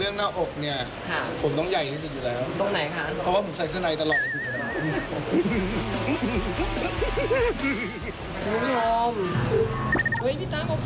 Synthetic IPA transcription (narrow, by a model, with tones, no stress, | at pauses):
lɯ˥˩əŋnaː˥˩mʔo˨˩k̚ni˥˩ɐ | kʰa˦˥˩pʰo˩˦mt̪̬ɔ˥˩ŋja˨˩jha˥˩jsu˨˩juː˨˩lɛː˦˥wpt̪o˧ŋna˨˩˦jkʰa˦˥ɔ˧˦waː˥˩pʰo˩˦sa˨˩˦js̬aː˧˩na˧jt̪a˧lɔː˨˩t̪̚a˧˩sʰɯ˨˩a˨˧˩a˧˩˧ | mː˧˥˩m˦˥˩ɔː˧m˧ | hɯ˦˥jpʰi˦˥t̪aː˥˩maː˧˩